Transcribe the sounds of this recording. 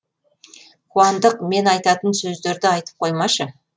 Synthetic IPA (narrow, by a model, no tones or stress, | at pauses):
qʰuɑnd̪əqme̞nɑjt̪ɑt̪ənsɵzd̪e̞ɾd̪ɪɑjt̪ə̥p̚qʰo̞jmɑʃə